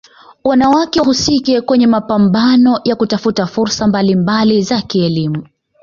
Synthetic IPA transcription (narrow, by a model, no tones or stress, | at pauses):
wanawakɛɦusikɛkwɛɲɛmapambanɔjakutafutafuɾsambalimbalizakiɛlimu